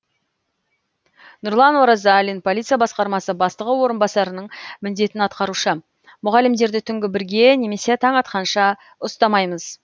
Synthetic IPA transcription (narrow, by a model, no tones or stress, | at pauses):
nʊɾlˠɑnwoɾɑzalinpʰolʲˠit̪sɨijɑbɑsqɑɾmɑsəbɑst̪əʁəwo̞ɾənbɑsɑɾənəɴmɪnd̪e̞t̪ɪnɑt̪qɑɾuʃə | mʊʁɑlːɪmd̪e̞ɾd̪ɪt̪ʰʏŋɡʲɪbɪɾɡʲe̞ne̞me̞se̞t̪ʰɑɴɑt̪qɑnʃɑ | ʊst̪ɑmɑjməz̥